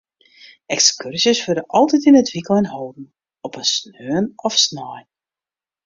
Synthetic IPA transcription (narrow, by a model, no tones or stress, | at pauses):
ɛkskyrsjəsføɾəʔɔlˠtɛtinətʋikəlˠɛnhoːdn̩ | ɔpəsnøənɔfsnɔjn